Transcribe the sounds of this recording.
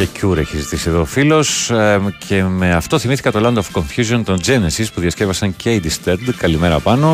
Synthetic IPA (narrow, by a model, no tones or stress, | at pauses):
ecuɾeçizit̪isieðo̞filo̞scʰe̞me̞ɐft̪o̞θimiθi̥kɐt̪o̞lɐnd̪ofko̞ɱfjuzio̞nt̪o̞nd͡ʒe̞nesispuðjɐsce̞vɐsɐɲce̞id̪ist̪eɾd̪kɐlime̞ɾɐpɐno̞